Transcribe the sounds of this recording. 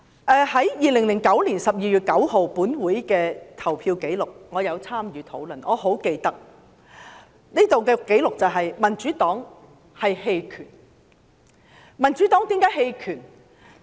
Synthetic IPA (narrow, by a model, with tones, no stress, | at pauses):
ʔɛː˨˧hɐ˨˥jjiː˨lɪ˨˩ŋlɪ˨˩ŋkɐ˨˥wliː˨˩nsɐ˨p̚jiː˨˧jy˨t̚kɐ˨˥who˨wpuː˨˥nwuː˨˥jkɛː˧t̪ʰɐ˨˩wpʰiː˧wke˨˥jlʊ˨k̚ŋɔː˨˧jɐ˨˧wt͡sʰaː˥mjyː˨˧t̪ʰo˨˧˥wlɵ˨nʔɔː˨˧ɦo˨˥wke˧jt̪ɐ˥k̚ | niː˥t̪o˨wkɛː˧kːe˨˥jlʊ˨k̚t͡sɐ˨wɦɐ˨jmɐ˨˩nt͡ʃyː˨˥t̪ɔː˨˥ŋ | hɐ˨jhe˧jkʰyː˨˩n | mɐ˨˩nt͡ʃyː˨˥t̪ɔː˨˥ŋt̪iː˨˥mkaː˨˥jhe˧jkʰyː˨˩n